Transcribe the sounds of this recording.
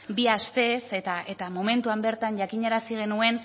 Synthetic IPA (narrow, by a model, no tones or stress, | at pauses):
biast̪e̞se̞t̪aʔe̞t̪amo̞me̞nt̪uambe̞ɾt̪aɲʝakiɲe̞ɾasiɣ̞e̞nue̞n